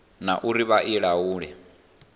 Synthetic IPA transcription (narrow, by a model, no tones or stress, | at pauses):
naʔuɾiβaʔiɺauːɺɛ